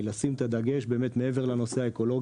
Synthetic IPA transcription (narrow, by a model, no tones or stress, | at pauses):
lasimt̪ad̪aɡeʃbe̞ːmet̪meeve̞ʁlano̞seaeko̞lo̞ɡ